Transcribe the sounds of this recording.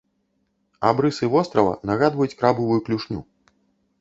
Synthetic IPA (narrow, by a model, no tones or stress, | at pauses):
a̰bɾɨsɨvɔst̪ɾɐvɐ̰nɐɣad̪vɐjut͡sʲkɾabɨvujuklʲuʂnʲṵ